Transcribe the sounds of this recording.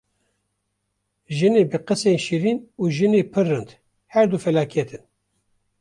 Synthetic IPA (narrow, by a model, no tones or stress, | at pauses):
ʒɨneːbɨqɨseːnʃiɾiːnuːʒɨneːpʰɨɾːɨnd̪ | hɛɾd̪ufɛlɑːkʰɛt̪ɨn